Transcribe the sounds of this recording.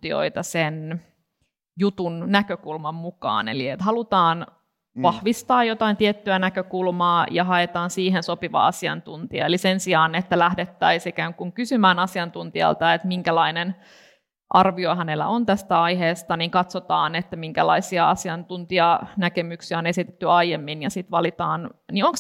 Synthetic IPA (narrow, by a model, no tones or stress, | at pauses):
t̪io̰it̪ɑsen | jut̪unnækøkulmɑmmukɑ̰ːnḛliet̪hɑlut̪ɑːn | ʋɑhʋist̪ɑːjot̪ɑint̪iet̪ːyænækøkulmɑːjɑɦɑet̪ɑːnsiːɦensopiʋɑ̰ɑsiɑ̰nt̪unt̪iɑ̰elisensiɑːnet̪ːælæhdet̪ːæisikæːŋkuŋkysymæːnɑsiɑnt̪unt̪iɑ̰lt̪ɑet̪miŋkælɑinen | ʔɑrʋioɦænelæ̰ʔont̪æst̪æɑiheːst̪ɑniŋkɑt̪sot̪ɑːnet̪ːæmiŋkælɑ̰isiɑɑsiɑnt̪unt̪iɑnækemyksiæonesit̪e̥t̪ːyɑijemːinjɑsit̪ʋɑlit̪ɑːnnioŋks